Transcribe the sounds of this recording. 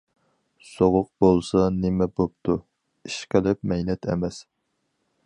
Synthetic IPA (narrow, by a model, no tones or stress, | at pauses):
soʁʊq̚bolˠsɑnemɛbop̚t̪ʰu | iʃqəlɪp̚mɛjnɛt̪ʰɛ̰mɛs